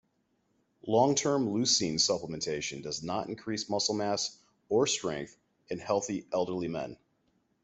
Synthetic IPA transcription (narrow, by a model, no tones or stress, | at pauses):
lɔ̃ŋtʰɜ̃˞mlʉsĩnsʌpləmɨ̃n̩tʰeɪʃɨ̃n̩dʌznəɾɨ̰̃n̩kʰɹ̥ismʌsl̩ˠmæs | ə˞stɹ̥ɛ̰̃ŋk̚θ | ɨ̃nhɛlˠθiʔɛlˠdə˞limɛ̰̃n